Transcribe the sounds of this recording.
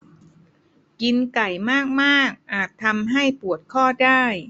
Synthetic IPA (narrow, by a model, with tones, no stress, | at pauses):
ki˧nka˨˩jmaː˥˩k̚maː˥˩k̚ʔaː˨˩t̪ʰːa˧mɦa˥˩jpu˨˩ət̪̚kʰɔː˥˩daː˥˩j